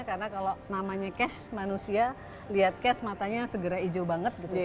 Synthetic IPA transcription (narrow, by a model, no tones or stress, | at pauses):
karənakalonamaɲakɛsmanusia | liɦat̪̚kɛsmat̪aɲasəɡəɾaid͡ʒobaŋət̪̚ɡi